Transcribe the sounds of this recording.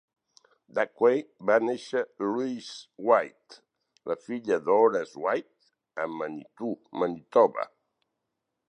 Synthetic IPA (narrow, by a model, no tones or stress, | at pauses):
d̪akwejbaneʃəluizwajt̪ | ləfiʎəðoɾəzwajt̪̚ | əmːənit̪umənit̪ɔβə̰